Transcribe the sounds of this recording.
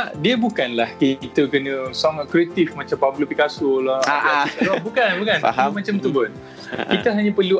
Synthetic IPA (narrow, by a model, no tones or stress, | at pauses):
adiəbukanlahkit̪əkənə̃saŋat̪̚kɾiet̪ifmat͡ʃampampulupikasʊlaalɔbukanbukanamat͡ʃamt̪ubən | kit̪əɦaɲə̃pərlu